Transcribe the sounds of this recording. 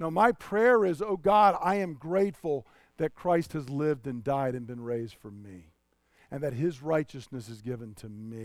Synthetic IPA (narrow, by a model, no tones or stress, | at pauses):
noʊmaɪpʰɹ̥ɛɹɪzoʊɡɑɾaɪɨ̃mɡɹeɪtfl̩ˠ | ðɨt̚kʰɹ̥aɪst̚hɨzlɪvdɨ̃ndaɪɾɨ̃nbɨ̃nɹeɪzd̥fʌ˞mi | ɨ̃nðɨt̚ɦɪzɹaɪt͡ʃɨsnɨsɨzɡɪvɨ̃ntʰɨmi